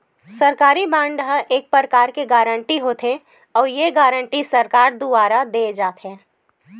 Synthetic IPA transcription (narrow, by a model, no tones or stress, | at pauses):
sɐɾkaːɾibãːɳɖɦəʔeːk̚pɾəɾkaːɾkeɡaːɾə̃ɳʈiɦoːt̪ʰe | ɔːɾjeɡaːɾə̃ɳʈisɐɾkaːɾd̪uaːɾad̪eːd͡ʒaːt̪ɦɛː